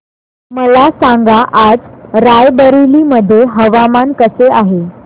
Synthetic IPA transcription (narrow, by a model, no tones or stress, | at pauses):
məlasãŋɡaʔad͡zɾajbəɾiliməd̪ʱːjeɦəʋamankəseaɦe